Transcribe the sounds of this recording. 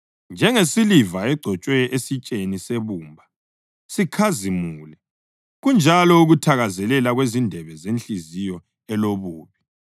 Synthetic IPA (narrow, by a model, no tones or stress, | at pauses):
nd͡ʒʱɛŋesilivaɛɡ͡ǀʱɔt͡ʃʼwɛʔesit͡ʃʼeniseβuːmbʱa | sikʰazimuːlɛ | ɣund͡ʒʱalɔuɣutʰaɣazɛlɛlaɣwezindʱɛβɛzent͡ɬʼizijɔ | ɛloβuːβi